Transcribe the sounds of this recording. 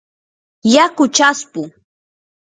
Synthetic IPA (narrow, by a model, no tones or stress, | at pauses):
jakʊt͡ʃaspʊ